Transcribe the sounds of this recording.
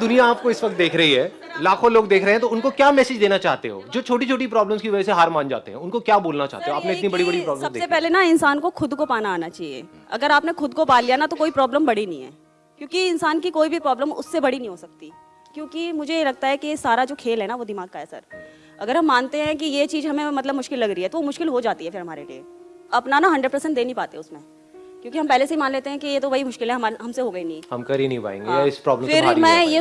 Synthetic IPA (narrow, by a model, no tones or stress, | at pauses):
d̪ʊnijaaːp̚koɪsʋɐk̚t̪̚d̪eːkʰɾɐɦiɦɛː | laːkʰõloːɡ̚d̪eːkʰɾəeɦɛ̃t̪oʊnkokjaːmɛːsed͡ʒd̪eːnat͡ʃaːɦt̪ḛɦo̰ːd͡ʒoːt͡ʃʰoːʈit͡ʃʰoːʈ̬ipɾɔːblə̃mskiʋɐd͡ʒɛseɦaːɾmãːnd͡ʒa̰ːt̪ḛɦɛ̃ʊnkokjaːboːlnat͡ʃa̰ːt̪eɦoaːpnẽɪt̪nibɐɽibɐɽipɾɔːblsɐbdesepɛɦlenaɪnsaːnkoxʰʊd̪kopaːnaaːnat͡ʃaːɦiḛː | ɐ̰ɡəɾaːpnexʊd̪kopaːlijanat̪okoːipɾɔːbləmbɐɽinɐɦḭ̃ɦɛ̰ː | kjõːkiɪnsaːnkikoːibʱipɾɔːbləmʊ̰sːebɐɽinɐɦĩɦosɐk̚t̪i | kjõːkimʊd͡ʒʱejelɐɡ̚t̪aɦɛkiesaːɾad͡ʒoːkʰeːlɦɛnaʋod̪ɪmaːɡ̚kaɦɛːsɐ̰ɾ | ɐɡəɾɦɐ̃mːaːnt̪eɦɛ̃k̬ijet͡ʃiːzɦɐmẽmɐt̪ləbmʊʃkɪlːɐɡɾiɦɛt̪oʋomʊʃkɪlɦod͡ʒaːt̪iɦɛfɪɾɦɐmaːɾḛliḛɐpnanaɦɐ̃ɳɖəɖ̚pɐɾsɛ̃ɳʈ̚d̪eːnĩpaːt̪eɦɛʊsmẽ | kjõːkiɦɐmpɛːleseimaːnleːt̪eɦɛ̃kijet̪oʋɐɦimʊʃkɪlɦɛ̃ɦɐaɦɐmseɦoɡɐinɐĩhɐmkɐɾinɐĩpa̰ːḛ̃ːŋɡeajaɪspɾɔːbləmfɪɾmɛ̃ːje